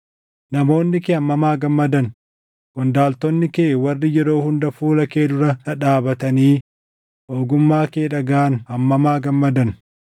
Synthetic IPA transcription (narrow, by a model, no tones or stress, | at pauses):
nɐmo̞ːnːɪkeːɐmːɐmaːɡɐmːɐd̪ɐn | ɡ̥ɔnd̪aːlt̪ɔnːɪkeːwɐrːɪjɛɾo̞ːhʊnd̪ɐfuːlɐkeːd̪ʊɾɐɐᶑaːbɐt̪ɐniː | ʔoːɡʊmːaːkeːᶑɐɡaːnɐmːɐmaːɡɐmːɐd̪ɐn